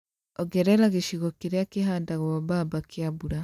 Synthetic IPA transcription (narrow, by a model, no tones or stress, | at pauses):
ɔɡɛɾɛɾaɣeʃiɣɔkeɾjakeɦaːndaɣwɔβaːβakeaβuɾa